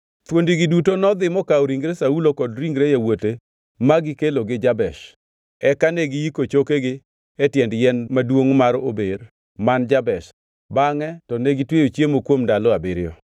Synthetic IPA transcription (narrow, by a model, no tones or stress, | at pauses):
t̪wondiɡɪdutonɔd̪ɪmɔkaoɾiŋɡɾesaulokɔdɾiŋɡɾejawote | maɡɪkeloɡɪd͡ʒabɛʃ | ɛkaneɡɪikot͡ʃokeɡɪ | ɛtjɛndjɛnmadwoŋmaɾo̰ber | mand͡ʒabɛʃ | baŋɛtɔneɡitweot͡ʃjemokwomndalɔabɪɾɪjɔ